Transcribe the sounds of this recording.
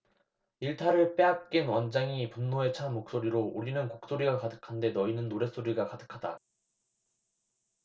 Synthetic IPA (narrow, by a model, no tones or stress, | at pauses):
iɭtʰaɾɯɭp͈e̞ɦak̚k͈inwʌnd͡ʑaŋipunːoe̞t͡ɕʰamok̚s͈oɾiɾooɾinɯnkok̚s͈oɾiɡakadɯkʰande̞nʌinɯnːoɾe̞s͈oɾiɡakadɯkʰad̥a̰